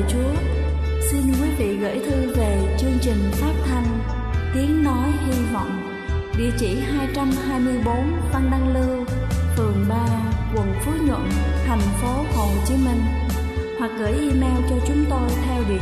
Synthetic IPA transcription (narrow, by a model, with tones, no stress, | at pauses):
t͡ɕu˨˦ə | si˧nkwi˨˦vḭ˧˨ɣə̰ː˧˥˨jt̪ʰɨ˧ve˨˩t͡ɕɨ˧əŋt͡ɕï˨˩ŋ̟faː˦˥t̚t̪ʰa˧jŋ̟ | t̪i˨˦ənnɔ˨˦jhi˧vɔ̰˧˨wŋ͡m | ɗḭ˧˨ət͡ɕi˧˩ɦaː˧jt͡ɕa˧mhaː˧jmɨ˧əjɓo˨˦nva˧ŋɗa˧ŋlɨ˧wt̪ɨ˨˩əŋɓaː˧kwə˧˩ənfo˨˦ɲə̰˧˨nt̪ʰa˨˩ŋ̟fo˨˦ho˨˩t͡ɕi˨˦nmï˧ŋ̟ | hwa˨˩k̚ɣəː˧˩jʔi˧mɛ˧wt͡ɕɔ˧t͡ɕʊ˨˦ŋ͡mt̪o˧jt̪ʰɛ˧wvi˨˩ə